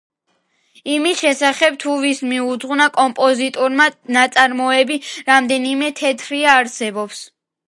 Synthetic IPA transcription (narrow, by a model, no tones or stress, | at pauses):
imisʃɛsaχɛb̚t̪ʰuvismiud̪zʁnakʼɔmpʼɔzit̪ʼuɾmanat̪sʼaɾmɔɛbiɾamd̪ɛnimɛt̪ʰɛt̪ʰɾiaːɾsɛbɔps